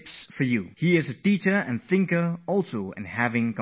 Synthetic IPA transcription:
psfə˞juhiɪzɨdiɾə˞ɨ̰̃nθɪ̃ŋkə˞ɔlˠsoʊɨ̰̃nhævɪ̃ŋk

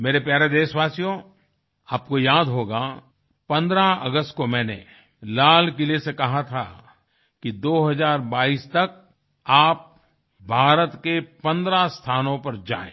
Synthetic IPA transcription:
meːɾepjaːɾed̪eːʃʋaːsijõ | aːp̚kojaːd̪ɦoːɡa | pɐ̃nd̪ɾaɐ̰ɡəst̪komɛ̃ːnḛ | laːlkɪlesekɐɦat̪ʰa̰ | kid̪oːɦɐzaːɾbaːiːst̪ɐk̚ | aːp̚ | bʱaːɾət̪kepɐ̃nd̪ɾast̪ʰaːnõpɐɾd͡ʒa̰ːḛ̃ː

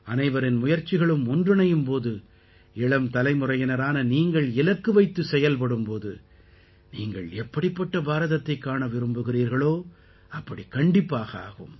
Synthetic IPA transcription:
ɐnɐɪʋɐɾɪnmʊjɐɾt͡ʃːɪɣɐɭɯmʊndrɯɳɐjɯmpoːðɯ | ɛɭɐmt̪ɐlɐɪmʊrɐjɐnɐɾaːnɐniːŋɡɐɭɪlɐkːɯʋɐɪt̪ːɯsɛjɐlp̬ɐɽɯmpoːðɯ | niːŋɡɐɭɛpːɐɽɪpːɐʈːɐbaːɾɐðɐt̪ːɐɪkːaːnɐʋɪɾɯmbɯɣɪriːɾɣɐɭoː | ɐpːɐɽikɐɳɖɪpːaːɣɐa̰ːɣɯ̰m

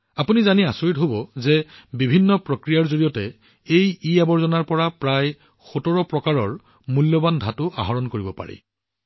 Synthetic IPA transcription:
apunizaniasoɹitɦobɔzɛbibʱinːɔpɹokɹijaɹzoɹijɔtɛ | ejiabɔɹzɔnaɹpɔɹapɹaj | xotɔɹɔpɹɔkaɹɔɹ | muljɔbandʱatʊʔa̰ɦɔɹɔnkoɹibɔpa̰ɹḭ

